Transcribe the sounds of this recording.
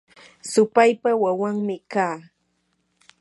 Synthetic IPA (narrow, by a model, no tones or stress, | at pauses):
sʊpajpawawaŋmɪkaː